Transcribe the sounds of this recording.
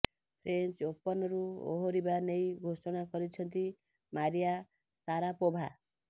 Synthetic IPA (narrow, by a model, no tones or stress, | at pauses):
pʰɾent͡ʃopɔnɔɾuo̰ɦoɾibanejɡʱosɔɽ̃akɔɾit͡ʃʰɔnt̪i | maɾija | saɾapobʱa